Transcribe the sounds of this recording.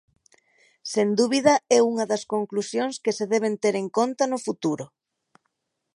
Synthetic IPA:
send̪uβið̞ɐɛuŋɐðɐskoŋklusjõŋskeseðɛβ̞ent̪eɾeŋkont̪ɐnʊfut̪uɾʊ

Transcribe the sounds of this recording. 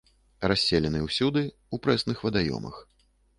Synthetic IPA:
rasʲːelʲɛnɨwsʲud̪ɨ | upɾɛsnɨxvɐd̪ajɔ̰mɐ̰x

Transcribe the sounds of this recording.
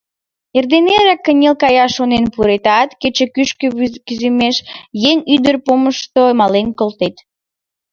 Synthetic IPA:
erd̪eneɾɑkːənʲelkɑjɑʃonenpuɾet̪ɑt̪ket͡ɕekyʃkəkyzemeʃjeŋʲyd̪ərpoməʃt̪omɑlenkolt̪et̪

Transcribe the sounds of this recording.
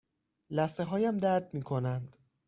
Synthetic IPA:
læseɦɒːjæmd̪æɾd̪̚miːkʰo̞nænd̪̥

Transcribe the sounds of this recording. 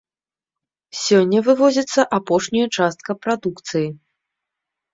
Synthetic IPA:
sʲɔnʲːɐvɨvɔzʲɐt̪sːɐʔapɔʂnʲɐjɐt͡ʂast̪̚kɐpɾad̪ukt̪sɨji

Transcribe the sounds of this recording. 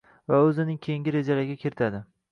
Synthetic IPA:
vaɵzɪnɪŋkʲʰejiŋɡʲɪɾe̞d͡ʒalaɡʲakʲʰɪɾɪt̪ʰad̪ɪ

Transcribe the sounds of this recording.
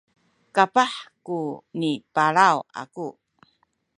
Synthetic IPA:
kapaħkunipaɭawa̰ku

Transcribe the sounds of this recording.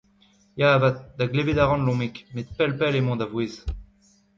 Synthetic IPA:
javat̪̚d̪aɡleved̪aʁɑ̃nlɔ̃mekmet̪̚pɛlpɛlemɔ̃d̪avweːz

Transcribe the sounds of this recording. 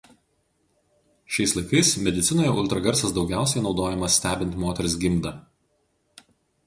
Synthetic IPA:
ʃʲɛɪslˠɐɪkɐɪsmʲɛd̪ʲɪt̪sʲɪnoːjɛʔʊlˠʲt̪ɾɐɡɐɾʲˑsɐsd̪ɒʊɡʲæˑʊsʲɛɪnɒʊd̪oːjɛmɐsʲsʲt̪ʲæːbʲɪnʲt̪ʲmoːt̪ʲɛɾʲɪsɡʲɪmd̪ɐ

